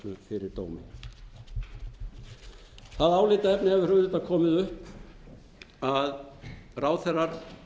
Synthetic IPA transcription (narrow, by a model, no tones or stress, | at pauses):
lʏfɪɾɪɾt̪oːwmɪ̰ | θaðaːwlɪːt̪aɛpnɪhɛvɪ̥rʏɣðɪt̪akʰɔːmɪðʏhp | aðraːwθɛrːaɾ̥